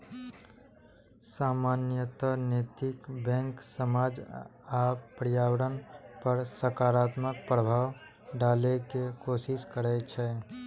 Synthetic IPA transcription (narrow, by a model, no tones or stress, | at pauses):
samanjət̪ənet̪ikbɛ̃ŋksəmad͡ʒapɾjawəɾənpəɾsəkaɾat̪mək̚pɾəbʱaw | ɖalekekosiskəɾɛt͡ʃʰɛ